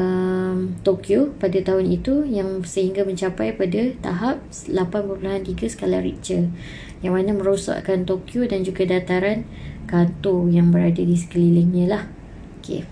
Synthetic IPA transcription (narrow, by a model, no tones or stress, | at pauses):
əmt̪okjopadat̪aɦʊnit̪ujaŋsəɦiŋɡamə̃ɲt͡ʃapajpadat̪a̰ɦap̚slapanpəɾpulaɦant̪iɡasə̥kalaɾḭʔt͡ʃə | jaŋmanamə̃ɾosa̰ʔkant̪okjodand͡ʒuɡadat̪aɾan | kant̪ojaŋbəɾadadisə̥kəliləŋɲãlah | okʰḛ